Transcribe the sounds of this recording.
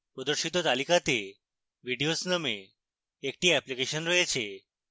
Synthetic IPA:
pɾɔd̪əɾʃit̪ot̪alikat̪e | ʋiɖijosnəmeː | k̚ʈiɛplikeʃənɾəɦet͡ʃʰe

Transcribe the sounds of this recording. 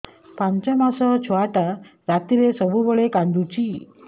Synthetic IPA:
pãɲt͡ɕamasɔt͡ɕʰuaʈaɾat̪iɾesəbʱubəɭekãnd̪ut͡ɕi

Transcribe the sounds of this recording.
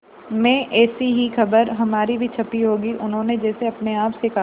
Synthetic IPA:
mẽːʔɛːsiɦixɐbəɾɦɐmaːɾibʱit͡ʃʰɐpiɦoːɡiʔʊnɦõːned͡ʒɛːseɐpneaːpseka

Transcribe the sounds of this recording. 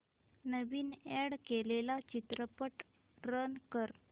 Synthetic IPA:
nəʋiːneɽkelelat͡ɕit̪ɾəpəʈ | ɾənkəɾ

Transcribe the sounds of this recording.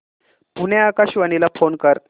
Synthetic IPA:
punjaakaɕʋənilafonkəɾ

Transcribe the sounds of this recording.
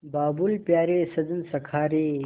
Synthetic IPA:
baːbulpjaːɾeːsɐd͡z̪ənsɐkʰaːɾe

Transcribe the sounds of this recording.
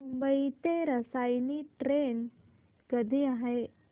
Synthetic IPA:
mumbəit̪eɾəsajniʈɾen | kəd̪ʱiaɦe

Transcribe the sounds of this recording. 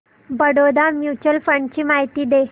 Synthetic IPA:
bəɽod̪amjut͡ɕəlfɾəɳɖt͡ɕiːmaɦit̪iːd̪e

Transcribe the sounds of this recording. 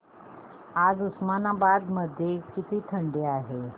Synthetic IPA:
ad͡zusmanabad̪məd̪ʱːjekit̪iːt̪ʰəɳɖeaɦe

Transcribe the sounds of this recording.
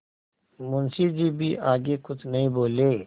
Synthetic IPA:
mʊnsid͡ʒibʱiʔaːɡekʊt͡ʃʰnɐɦĩboːleː

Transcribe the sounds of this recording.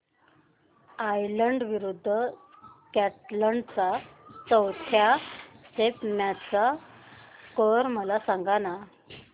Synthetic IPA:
ajləɳɖʋiɾud̪ʱːəkæʈləɳɖt͡sat͡səwt̪ʰjasepmjat͡sa | kəɾməlasaŋɡana

